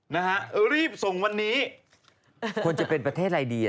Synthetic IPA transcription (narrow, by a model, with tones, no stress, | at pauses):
na˦˥kʰa˦˥ʔɾiː˥˩p̚so˨˩˦ŋwa˧nːiː˦˥ | u˧ənt͡ɕa˨˩pe˧npɾa˧t̪ʰeː˥˩t̪̚ɾaː˧jdiː˧